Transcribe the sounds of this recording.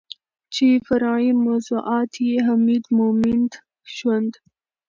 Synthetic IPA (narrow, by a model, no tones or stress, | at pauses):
t͡ʃefɐɾɑjimozuʔɑːt̪ʰjeɦamid̪momɪnd̪ | ʃwand̪